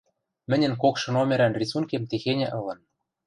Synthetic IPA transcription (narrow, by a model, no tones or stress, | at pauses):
mɘ̆nʲɘ̆nkokʃɤ̆nomʲeɾænrʲisunkʲemt̪exenʲɘ̆ʔɤ̆lɤ̆n